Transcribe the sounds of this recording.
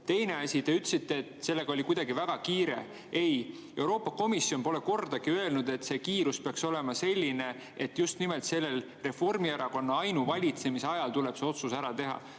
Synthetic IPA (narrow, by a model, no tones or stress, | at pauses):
t̪e̞jne̞ɑsʲit̪e̞yt̪ːˑsit̪ːˑeːt̪se̞lːe̞ɡ̥ɑo̞lʲikujd̪ɑɡivæɡ̥ɑkiːɾe̞̰ | e̞j | e̞wɾo̞ːpːˑɑko̞misio̞npo̞le̞ko̞rd̪̥ɑɡ̥iøe̞lnud̪̥e̞t̪ːse̞kiːɾuspeɑkso̞le̞mɑse̞lʲːine̞ | et̪ːˑjust̪nimelt̪se̞lːe̞l | re̞fo̞rmieɾɑko̞nːɑɑjnuvɑlʲit̪se̞miseɑjɑlt̪ule̞b̥seo̞t̪susæɾɑt̪e̞ɦɑ̰